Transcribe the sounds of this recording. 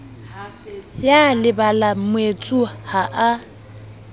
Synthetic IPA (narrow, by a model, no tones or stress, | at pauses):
jalɪbalamwet͡sʼuhaʔa